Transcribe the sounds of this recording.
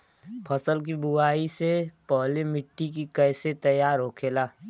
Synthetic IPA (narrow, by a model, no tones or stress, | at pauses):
pʰɐsəlk̬ibʊaːisepɔɦlemɪʈːik̬ikɛːset̪ɐjaːɾɦoːkʰeːlaː